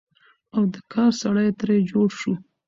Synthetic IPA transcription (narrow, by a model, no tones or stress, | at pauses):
awd̪əkʰɑɾsaɽəjt̪ɾed͡ʒoɽʃu